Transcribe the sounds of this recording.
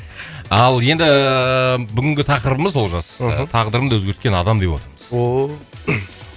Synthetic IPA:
ɑlˠje̞nd̪ɪ | bʏɡʲɪŋɡʲɪt̪ʰɑqəɾəbəməzwolˠʒɑst̪ʰɑʁd̪əɾəmd̪wɵzɡʲe̞ɾt̪kʲe̞nɑd̪ɑmd̪e̞pwo̞̰t̪əɾəməz̥

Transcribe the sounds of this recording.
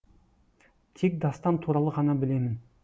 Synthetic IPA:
t̪ʰe̞k̚d̪ɑst̪ɑnt̪ʰuɾɑlˠəʁɑnɑbɪle̞mɪn

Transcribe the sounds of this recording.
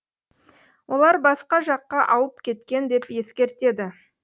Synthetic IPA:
wʔo̞lˠɑɾbɑsqɑʒɑqːɑʔɑwəp̚kʲʰe̞t̪kʲe̞nd̪e̞pje̞skʲe̞ɾt̪e̞d̪ɪ

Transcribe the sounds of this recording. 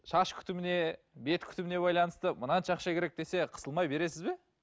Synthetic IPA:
ʃɑʃkʲʰʏ̥t̪ɪmɪne̞ | be̞t̪kʲʰʏ̥t̪ɪmɪne̞bɑjlˠɑnəst̪əmənɑnʃɑqʃɑkʲʰeɾe̞k̚d̪e̞se̞qʰə̥səlˠmɑjbe̞ɾe̞sɪzbe̞

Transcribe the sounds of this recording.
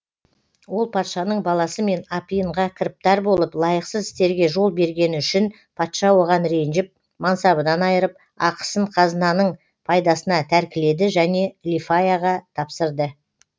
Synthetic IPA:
wo̞lˠpʰɑt̪ʃɑnəɴbɑlˠɑsəme̞nɑpijəɴʁɑkʲʰɪɾɪp̚t̪ɑɾbo̞lˠəplˠɑjəqsəzɪ̥st̪e̞ɾɡʲe̞ʒo̞lˠbe̞ɾɡʲe̞nɪʏʃɪn | pʰɑt̪ʃɑwo̞ʁɑnɾe̞nʒɪp̚ | mɑnsɑbənɑnɑjəɾəp̚ | ɑqə̥səɴqʰɑzənɑnəɴ | pʰɑjd̪ɑsənɑt̪ʰæɾkʲɪle̞d̪ɪʒæne̞lʲifajaʁɑt̪ʰɑpsəɾd̪ə

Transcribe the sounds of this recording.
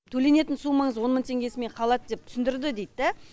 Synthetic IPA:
t̪ʰɵle̞ne̞t̪ɪnsumɑɴəzwo̞nmənt̪ʰe̞ŋɡʲe̞sɪme̞ɴqʰɑlˠɑt̪̚d̪ep̚t̪ʰʏ̥sɪnd̪ɪɾd̪ɪd̪ejt̪ːæ

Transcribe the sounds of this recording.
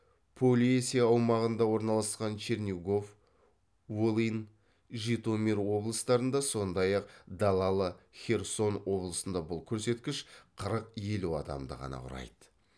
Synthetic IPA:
pʰolʲieseɑwmɑʁənd̪ɑwo̞ɾnɑlˠɑsqɑnt͡ʃernʲiɡo̞f | wolˠin | ʒit̪o̞mʲeɾwo̞blˠəst̪ɑɾənd̪ɑso̞nd̪ɑjɑqd̪ɑlˠɑlˠəχʲe̞rso̞nwo̞blˠəsənd̪ɑbʊlˠkʲʰɵɾse̞t̪kʲɪʃqʰəɾəqje̞luɑ̰d̪ɑ̰md̪ə̰ʁɑ̰nɑ̰qʰʊ̰ɾɑ̰jd̪ə̥

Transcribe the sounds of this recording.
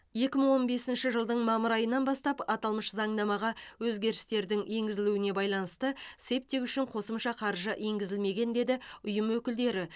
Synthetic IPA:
je̞kʲɪməɴwo̞nbe̞sɪnʃɪʒəlˠd̪əɴmɑməɾɑjənːɑnbɑst̪ɑpɑt̪ɑlˠməʃzɑɴd̪ɑmɑʁɑwɵzɡʲe̞ɾɪst̪e̞ɾd̪ɪŋje̞ŋɡʲɪzɪluɪne̞bɑjlˠɑnəst̪əse̞p̚t̪e̞kʏʃɪɴqʰo̞səmʃɑqʰɑɾʒəʔe̞ŋɡʲɪzɪlme̞ɡʲe̞nd̪e̞d̪ɪʊjəmwɵkʲɪld̪e̞ɾɪ

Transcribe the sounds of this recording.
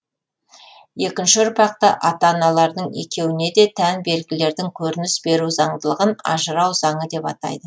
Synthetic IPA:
je̞kʲɪnʃɪɾpɑq̚t̪ɑ̰ʔɑt̪ɑnɑlˠɑɾd̪əɴe̞̰kʲe̞wɪne̞d̪e̞t̪ʰænbe̞lɡʲɪle̞ɾd̪ɪŋkʲʰɵɾɪnɪsbe̞ɾuzɑɴd̪əlˠəʁənɑ̰ʒəɾɑwzɑɴəd̪e̞pɑt̪ɑ̰jd̪ə

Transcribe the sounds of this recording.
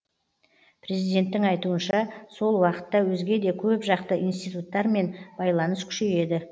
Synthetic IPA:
pʰɾe̞zijd̪e̞nt̪ːɪŋɑjt̪uənʃɑso̞lˠwɑqə̥t̪ːɑwɵzɡʲe̞d̪e̞kʲʰɵpʒɑqt̪əʔijnst̪ijt̪ut̪ːɑɾme̞nb̥ɑjlˠɑnəskʲʰʏ̥ʃe̞je̞d̪ɪ

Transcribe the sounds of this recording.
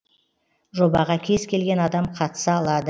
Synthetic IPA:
ʒo̞bɑʁɑkʲʰe̞zkʲʰe̞lɡʲe̞nɑd̪ɑmqʰɑt̪ə̥sɑːlˠɑd̪ə

